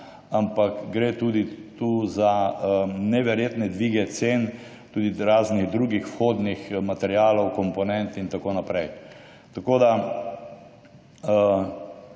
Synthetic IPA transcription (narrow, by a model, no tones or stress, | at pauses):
ampakɡɾet̪uːd̪it̪uza | nɛʋɛɾjeːt̪nɛd̪ʋiɡɛt̪sen | t̪uːd̪iɾaːzniɣd̪ɾuːɡixfxoːd̪nixmat̪ɛɾjaːlɔwkɔmpɔnɛnt̪int̪akonapɾɛj | t̪akoːd̪a